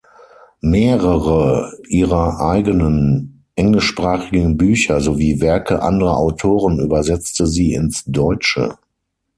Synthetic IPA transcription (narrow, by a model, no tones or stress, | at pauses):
meːʁəʁəʔiːʁɐʔaɪɡənən | ʔɛŋlɪʃpʁ̥aːχɪɡŋ̩byːçɐzoviːvɛɐkʰəʔa̰ndəʁɐʔaʊtʰoːʁəny̰ːbɐzɛt͡stəziːɪ̰nsd̥ɔʏt͡ʃə̰